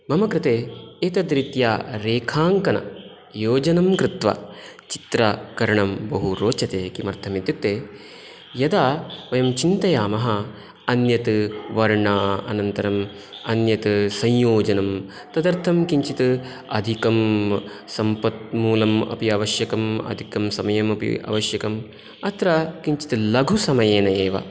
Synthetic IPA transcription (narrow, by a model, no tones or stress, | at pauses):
bʱɐmɐkɾɪt̪eːeːt̪ɐd̪ɾit̪jaːɾeːkʰaːŋkɐnɐ̰ | joːd͡ʒɐnɐmkɾɪt̪ʋɐ̰t͡ʃi̥t̪ɾɐkɐɾɐɳɐmbɐɦuɾoːt͡ʃɐt̪eːkimɐɾt̪ʰɐmet̪jut̪ːeː | jɐd̪aːʋɐjɐmt͡ʃint̪ɐjaːmɐɦɐ̆ | ɐnjɐt̪ɨʋɐɾɳaːɐ̰nɐnt̪ɐɾɐm | ɐnjɐt̪ɨsɐ̃jjoːd͡ʒɐnɐm | t̪ɐd̪ɐɾt̪ʰɐmkiɲt͡ʃit̪ɨ | ɐd̪ʱikɐm | sɐmpɐt̪̚muːlɐmɐ̰piɐːʋɐʃjɐkɐmɐ̰d̪ʱikɐmsɐmɐjɐmɐpḭʔɐ̰ʋɐʃjɐkɐm | ɐt̪ɾakiɲt͡ʃi̥t̪ɨlɐɡʱusɐmɐjeːnɐeːʋɐ̰